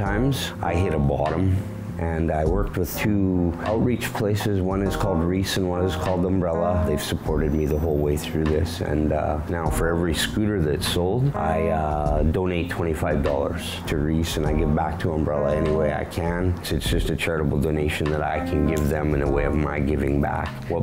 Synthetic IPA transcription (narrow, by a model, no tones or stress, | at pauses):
tʰãɪ̃mz̥ʔa̰ɪɦɪɾəbɑɾə̃m | ʔɨ̃naɪwɜ˞k̚t̚wəð̥tʰʉʔaʊt̚ɹit͡ʃpʰl̥eɪsɨzwʌ̃nɨz̥kʰɔlˠd̚ɹisɨ̃nwʌ̃nɨz̥kʰɔlˠdə̃mbɹɛlˠəðeɪv̥səpʰɔɹɾɨd̚miðəɦoʊlˠweɪθɹʉðɪsɨ̰̃nʌnaʊfə˞ɛvɹiskʉɾə˞ðɨɾɨtsoʊlˠdʔa̰ɪdõʊ̃neɪtʰw̥ɛ̃ɾ̃ifaɪvdɔ̰lˠə̰˞z̥tʰɨɹisɨ̃naɪɡɪvbæk̚tʰəə̃mbɹɛlˠəɛniweɪa̰ɪkʰɨ̃nsʊɨtsd̥ʒ̥ʌstɨt͡ʃʰɛɹɨɾəbl̩ˠdõʊ̃neɪʃɨ̃n̩ðəɾa̰ɪkʰɨ̃nɡɪvðɨ̃mɨ̃nəweɪʌvmaɪɡɪvɪ̃ŋbæ̰k | wʌ